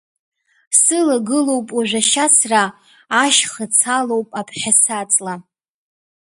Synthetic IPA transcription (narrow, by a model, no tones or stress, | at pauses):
sɨlaɡɨlo̞wpʼaʒᶣʷaʃasraː | ʃχət͡sʰalowpʼapʰħʲasat͡sʼla